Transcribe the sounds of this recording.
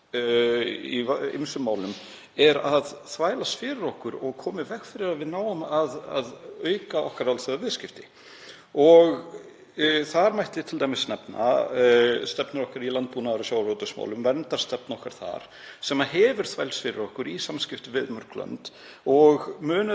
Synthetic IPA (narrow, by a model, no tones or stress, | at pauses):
iḛmsʏmːaːwlʏm | ɛɾaðθvaːjlasfɪːɾʏɾɔhkʏɾɔɣkʰɔːmɪvɛxfɪɾɪɾaðvɪðnaːwamaða̰ðœːɥkaɔhkaɾalθœðavɪðscɪft̪ɪ | ɔɣ | θaɾmajht̪ɪt̪ʰɪlt̪ajmɪsːnɛpna̰ | st̪ɛpnɪɾɔhkaɾilant̪̚puːnaðɾasjaːwrowt̪ʏsma̰wlʏmvɛnt̪aɾ̥st̪ɛp̚nɔhkaɾ̥θa̰ɾ̥ | sɛmaɦɛːvʏɾ̥θvajlsfɪːɾɪɾɔhkʏɾisamscɪft̪ɪvɪðmœɾ̥klœ̰nt̪ | ɔɣmʏːnʏ